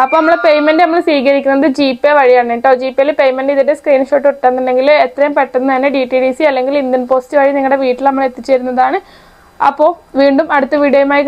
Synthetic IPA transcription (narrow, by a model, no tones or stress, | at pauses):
ɐpːoːnɐmːɐɭepejmenɖɨnɐmːɐɭsʋiːɣɐɾikʲːunːɐðɨd͡ʑiːpːeʋɐɻijaːɳiʈːoːd͡ʑiːpːielpejmenɖiðideskriːnɨʂoːʈːuʈːɐnːinːe̞ŋɡilet̪ːrɐjumpe̞ʈːɐnːɐɐnːeɖiʈːiɖiːsiɐlːe̞ŋɡilind̪inpo̞ːstɨʋɐɻiniŋɐɭɨɽe̞ʋiːʈːilnɐmːɐɭet̪ːit͡ɕːeːɾunːɐðaːɳɨ | ɐ̰pːo̞ːʋiːɳɖumɐɽut̪ːɨʋiɽijojumaːjik